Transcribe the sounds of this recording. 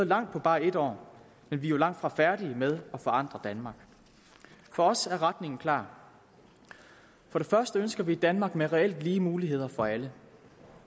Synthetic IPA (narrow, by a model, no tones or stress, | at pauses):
ð̩ˠlɑ̈ŋ̰d̥̚pʰɒ̽b̥ɑ̈ːe̝d̥ɒ̰ː | menʋijo̝lɑ̈ŋ̰d̥fʁɑ̈fæɐɾ̥iəmeð̞ˠɒ̽fɒ̽ɑ̈n̰d̥ʁɐd̥ænmɑ̈ːɡ̥ | fɒ̽ɒ̽sæɐʁad̥ne̝ŋn̩kʰlɑ̰̈ː | fɒ̽ɾ̥e̝fɶɐsd̥əønsɡ̥ɐʋiːd̥ænmɑ̈ːɡ̥̚meʁɛel̰d̥liːəmuːliɦe̝ð̞̰ˠɐfɒ̽ælə